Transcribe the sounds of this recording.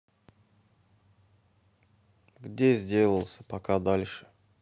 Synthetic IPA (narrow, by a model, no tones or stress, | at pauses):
ɡdʲezʲdʲe̞lˠəlˠsʲə̥pɐkad̪alʲʂɨ̥